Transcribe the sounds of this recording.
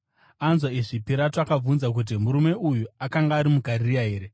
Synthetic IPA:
anzwaiʐipiɾatoakab͡vunzak̬ut̬imuɾume̞ʔujuakaŋɡaːɾimuɡʱarijaɦe̞ːɾe̞

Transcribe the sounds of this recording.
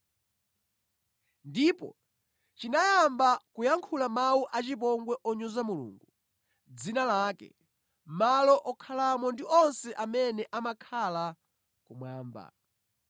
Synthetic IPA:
ndipɔ̰ | t͡ʃinajambakujaŋkʰulamawuʔat͡ʃip̬ɔŋɡwɛʔɔɲuzamulṵːŋɡu | d͡zinalaːkɛ̰ | malɔʔɔkʰalamɔndiʔɔnsɛʔamɛnɛʔamakʰala | kumwaːmba̰

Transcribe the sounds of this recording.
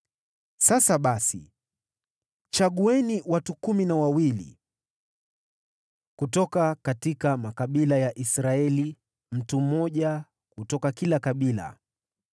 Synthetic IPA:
sasaɓasḭ | t͡ʃaɠuɛniwatukuminawawilḭ | kutɔkakatikamakaɓilajaʔisɾaɛli | m̩tum̩mɔʄa | kutɔkakilakaɓila̰

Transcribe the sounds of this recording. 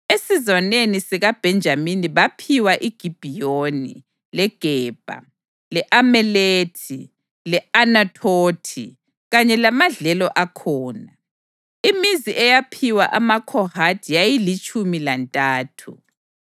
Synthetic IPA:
esizwanenisɛɣab̥ʱɛnd͡ʒʱaminiβapʰiwaʔiɡ̥ʱib̥ʱijonḭ | lɛɡ̥ʱɛːb̥ʱa̰ | lɛʔamɛletʰi | lɛanatʰoːtʰḭ | ɣaɲɛlamaɮɛlɔʔakʰɔːna | imiziʔɛjapʰiwa̰ʔamakʰɔhatʰijajilit͡ʃʼumilantʼaːtʰṵ

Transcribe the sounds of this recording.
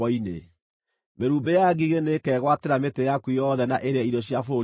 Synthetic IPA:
ɔinḛ | meɾuːmbejaɡiɣenekɛːɣwateɾametejakuijɔðɛnaʔeɾeɛidɔɕjafo

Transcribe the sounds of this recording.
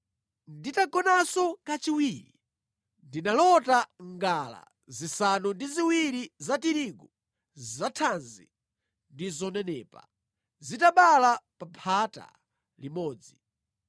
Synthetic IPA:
nditaɡɔnasɔkat͡ʃiwiːɾi | ndinalɔtaŋɡala̰ | zisanundiziwiɾizatiɾiɡu | zatʰanzḭ | ndizɔnɛnɛːpa̰ | zitaɓalapapʰata̰ | limɔːd͡zi

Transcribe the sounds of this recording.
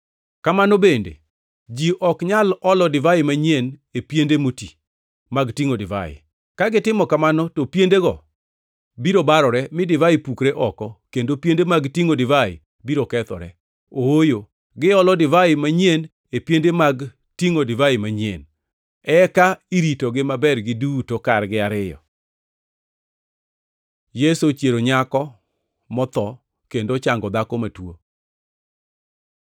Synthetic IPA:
kamanɔbendḛ | d͡ʒiʔɔkɲalɔlɔdɪvaɪmaɲiɛnepjendemoti | maɡtiŋodɪva̰ɪ̰ | kaɡɪtɪmɔkamanɔtopjendeɡɔ | biɾobaɾɔɾɛmɪdɪvaɪpukɾeʔɔkɔkendopjendemaɡtiŋodɪvaɪ̰ | biɾokɛt̪ɔ̰ɾɛ̰ | oojo | ɡɪɔlɔdɪvaɪmaɲjen | epjendemaɡ | tiŋodɪvaɪmaɲien | ɛkaiɾitoɡɪmabɛrɡɪdutokarɡɪaɾɪjɔ̰ | jesot͡ʃjeɾoɲakɔ | mɔt̪ɔ | kendot͡ʃaŋɡɔd̪akɔmatwo̰

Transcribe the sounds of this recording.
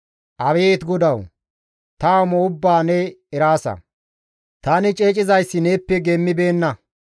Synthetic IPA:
ʔɐβeːt̪ɡɔd̪ɐw | t̪amoʊbːaːnɛɛɾaːsɐ̰ | t̪anɪt͡ʃʼe̞ːt͡ʃʼɪzɐjsːɪneːpːɛɡɛmːɪbe̞ːnːɐ

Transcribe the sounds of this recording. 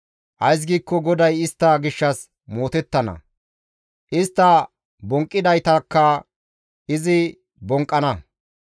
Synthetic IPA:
ʔɐjs̬ɡiːkːɔɡɔd̪ɐjɪst̪ːɐɡɪʃːɐs | moːt̪ɛt̪ːɐnɐ̰ | ʔɪst̪ːɐ | bɔŋkʼːɪd̪ɐjt̪ɐkːɐ | ʔɪzɪ | bɔŋkʼːɐnɐ

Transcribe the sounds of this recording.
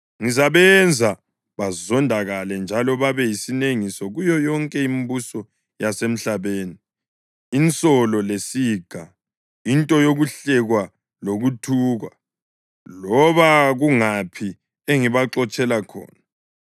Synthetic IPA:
ŋizaβɛnd͡zʱa | βazɔndʱaɣalɛnd͡ʒʱalɔβaβɛjisineŋisɔɣujɔjɔŋkʼɛimbusɔ | jasem̩ɬaβeːni | int͡sʼɔlɔlesiːɡ̥ʱa | intʼɔjoɣuɬɛɣwa | loɣutʰuːɣa̰ | lɔβaɣuŋapʰi | eŋiβaǁɔt͡ʃʼɛlakʰɔ̰ːna

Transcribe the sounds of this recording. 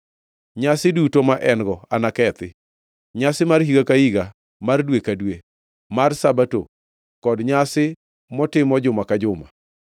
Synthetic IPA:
ɲasɪdutomaʔɛnɡɔanakɛt̪ɪ | ɲasɪmarhiɡakaiɡa | mardwekadwe | marsabato̰ | kɔdɲasɪ | mɔtɪmɔd͡ʒʊmakad͡ʒʊma̰

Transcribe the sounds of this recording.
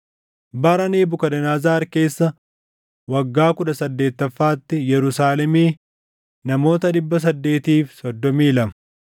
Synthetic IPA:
bɐɾɐneːbʊkɐd̪ɐnaːzaːɾke̞ːsːɐ | wɐɡːaːkʊᶑɐsɐd̪ːe̞ːt̪ːɐfːaːt̪ːɪjɛɾʊsaːlɛmiː | nɐmo̞ːt̪ɐᶑɪbːɐs̬ɐd̪ːe̞ːt̪iːfsɔd̪ːɔmiːlɐmɐ̥

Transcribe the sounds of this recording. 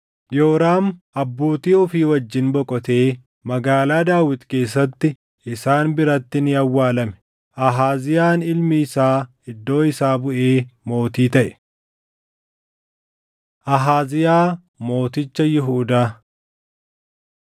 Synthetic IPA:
joːɾaːmʔɐbːo̞ːt̪iːɔfiːwɐd͡ʒːɪnbɔkʼɔt̪e̞ː | mɐɡaːlaːd̪aːwɪt̪ke̞ːs̬ːɐt̪ːɪ | ʔɪsaːnbɪɾɐt̪ːɪnɪɐwːaːlɐmɛ̥ | ʔɐɦaːzɪjaːnɪlmɪːsaː | ɪd̪ːo̞ːɪsaːbʊʔe̞ːmo̞ːt̪iːt̪ɐʔɛ̥ | ʔɐɦaːzɪjaː | mo̞ːt̪ɪt͡ʃːɐjɪɦuːd̪aː

